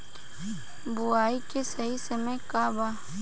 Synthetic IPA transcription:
bʊaːikesɐɦisɐmẽkaːbaː

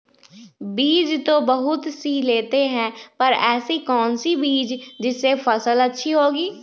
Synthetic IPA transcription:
biːd͡ʒt̪obəɦʊt̪siːleːt̪eɦɛ̃pəɾɛːsikɔːnsibiːd͡ʒd͡ʒɪsːepʰəsələtːʃʰiɦoːɡiː

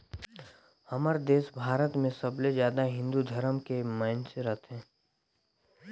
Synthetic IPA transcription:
hɐmaɾd̪eːsbʱaːɾət̪mẽsəblezjaːd̪aɦɪ̃nd̪ud̪ʱəɾəmkemə̃nt͡ʃɾət̪ɦɛ̃ː

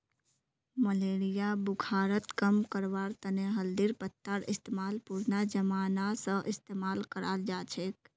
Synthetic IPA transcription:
məleːɾijabʊkʰaːɾət̪kəmkəɾʋaːɾt̪əneɦəld̪iɾpət̪ːəɾɪst̪emaːlpuɾnad͡ʒəmaːnasə̃ʔɪst̪eːmaːlkəɾa̰ːld͡ʒaːt͡ʃʰek

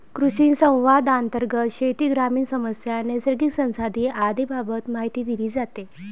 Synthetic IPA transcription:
kɾuɕiːnsə̃w̃ʋad̪ant̪əɾɡət̪ɕet̪iːɡɾamiːnsəməsjanesəɾɡiksə̃w̃sad̪iːʔad̪ibʱabət̪maɦit̪iːd̪iliːd͡zat̪e

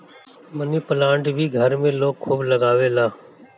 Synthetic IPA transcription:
məniːpəlãːɳɖbʱiːɡʱəɾmẽːloːkʰːuːbləɡaːʋeːlaː

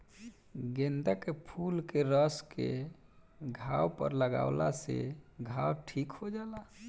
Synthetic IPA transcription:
ɡend̪əkepʰulkeɾəskḛ | ɡʱawpə̰ɾləɡa̰ʊlasḛɡʱawʈʰikhod͡ʒala

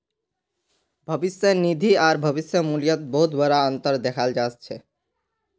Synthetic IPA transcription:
bʱʌbisjonid̪ʱiaɾbʱʌbisjomulijot̪̚boɦud̪bɔɾaɔnt̪oɾd̪ɛkʰald͡ʑatt͡ɕʰe

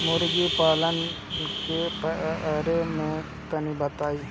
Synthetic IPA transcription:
mʊɾɡipaːlən | kepəɾemẽ | k̪ənibət̪aːiː

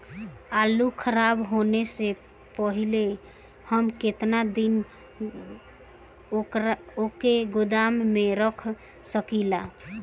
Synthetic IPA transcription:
alukʰəɾabɦonese | pəɦile | həmket̪nad̪in | okeɡʊd̪amːeɾəkʰ | səkila

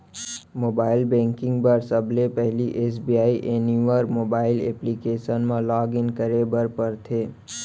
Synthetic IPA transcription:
moːbaːɪlbɛ̃ːŋkɪ̃ŋɡpɐɾsɐblepɛɦliʔeːsbijaːiʔeːniʋəɾmoːbaːɪlḛːplikeːʃənmãlaːɡɪnkəɾebəɾpəɾt̪ʰeː

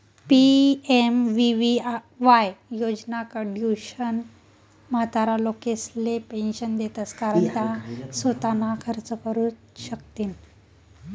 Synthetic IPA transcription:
piemʋiʋi | ʋajjod͡ʑnakəɖjuɕən | mat̪aɾalokeslepenɕənd̪et̪əskaɾəɳt̪jasət̪anakʰəɾt͡səkəɾu | ɕəkt̪iːn

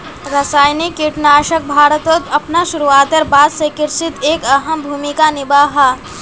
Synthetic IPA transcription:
ɾɐsaːjnikːɪʈnaːʃək̚bʱaːɾət̪ot̪ɐpnaʃʊɾuaːt̪əɾbaːd̪sekɪɾsɪt̪eːkɐɦəmbʱuːmikanɪbaːɦaː

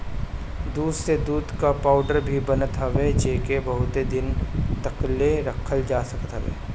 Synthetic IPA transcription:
d̪uːd̪sed̪uːd̪kapaːʊɖəɾbʱibɐnət̪ɦəʋet͡ʃeːkebɐɦʊt̪ed̪ɪnt̪ɐkleɾəkʰəld͡ʒaːsɐkət̪ɦəʋḛː

